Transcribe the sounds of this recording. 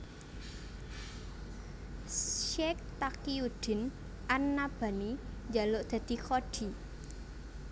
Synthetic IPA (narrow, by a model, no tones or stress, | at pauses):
ʃɛk̚t̪akiud̪̥ɪ̤n | ʔanːab̥a̤nid͡ʒaloʔd̪̥ä̤d̪̥i̤koɖ̥i̤